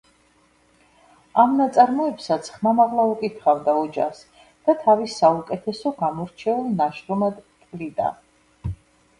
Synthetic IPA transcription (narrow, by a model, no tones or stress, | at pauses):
amnat̪sʼaɾmɔɛpsat̪sʰχmamaʁlˠaukʼit̪ʰχavd̪aɔd͡ʒa̰χs | d̪̥at̪ʰavisːaukʼɛt̪ʰɛsɔɡamɔɾt͡ʃʰɛulˠnaʃɾɔmad̪t̪ʼlid̪ʼa̰